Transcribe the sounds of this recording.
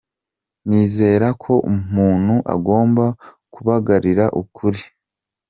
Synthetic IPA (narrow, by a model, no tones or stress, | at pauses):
niːze̞ːɾakʰo̞ʔumuːn̥huʔa̰ɡo̞ːmba | kuβaɡaɾiɾaʔukʰuɾi